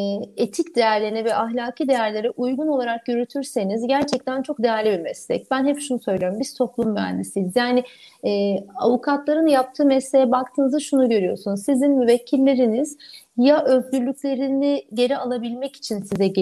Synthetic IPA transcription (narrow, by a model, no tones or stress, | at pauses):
et̪ʰicd̪e̞jæɾlʲenivɛʔaɦlʲaːkʰid̪e̞jæɾlʲe̞ɾɛʔujɡunolˠaɾakjøɾyt̪ʰyɾse̞nizɟæɾt͡ʃʰɛc̚t̪ʰænt͡ʃʰo̞k̚d̪e̞jæɾlʲibimɛslʲɛ̰c̚bænɦɛpʃunusø̞jlʲeɾimbiɾsʰo̞plˠumbæ̰nd̪isizjaːnɪɛːa̰vukʰat̪lˠaɾɯnjap̚t̪ʰɯːmɛslʲe̞jɛbak̚t̪ʰɯːnɯzaʃunuɟø̞ɾyjo̞̰sunuzsizinmyvɛcʰːilʲːe̞ɾiniz̥jaʔø̞zɟʲyɾlʲycʲlʲe̞ɾiniɟe̞ɾialˠabilʲmɛci̥t͡ʃʰinsizɛɟ